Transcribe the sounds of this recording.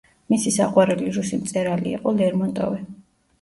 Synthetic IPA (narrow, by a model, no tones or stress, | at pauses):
misisaqʼwaɾɛliɾusimt̪sʼɛɾaliḭqʼɔlɛɾmɔnt̪ʼɔ̰vɛ